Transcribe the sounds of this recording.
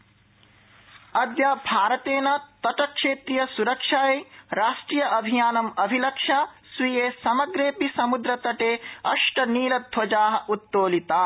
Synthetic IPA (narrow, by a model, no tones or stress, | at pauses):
ɐd̪jaːbʱaːɾɐt̪eːnɐt̪ɐʈɐkʂeːt̪ɾijɐsuɾɐkʂaːeɾaːʂʈɾiːjɐʔɐbʱijaːnɐmɐbʱilɐkʂaːsʋijeːsɐmɐɡɾeːpisɐmud̪ɾɐt̪ɐʈeːɐʂʈɐniːlɐd̪ʱʋɐd͡ʒaːɦɐ̆ʔut̪ːoːlit̪aː